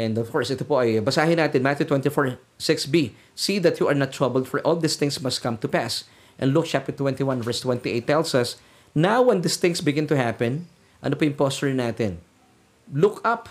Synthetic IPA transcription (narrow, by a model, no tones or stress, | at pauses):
ʔɛ̃nd̪ɔvkɔɹsʔɛt̪ʊpoʔɐjbɐsaːhɪnaːt̪ɛnmat̪jut̪wɛ̃nt̪ifɔɹ | sɪksbi | siːðɐt̪juʔɐɹnɐt̪ːɹɐbɛlˠd̪fɔɹʔɔld̪ɪst̪ɪ̃ŋsmɐst̪̚kɐ̃mt̪ʊpas | ʔɛ̰̃nlʊk̚t͡ʃap̚t̪ɛɹt̪wɛ̃nt̪iwãnvɛɹst̪wɛ̃nt̪iʔeɪt̪ːɛlsɐs | nawwɛ̃nd̪ɪsθɪ̃ŋsbɪɡɪ̃nt̪ʊhapɛ̃n | ʔɐ̰nopojʊ̃ŋpɔst̪ʊɹɪnaːt̪ɪn | lʊkɐp